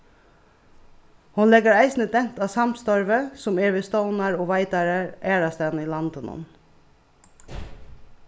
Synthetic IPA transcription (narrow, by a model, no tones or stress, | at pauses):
hʊnlɛɡəɹæɪsnəd̪ɛn̥t̪ɑːsɑmst̪ɔɹʋəsʊmeːɹʋeːst̪oʊnɑɹoːʋæɪd̪ɑɾəɹæːɾɑst̪ɑniːlɑnd̪ənʊ̰n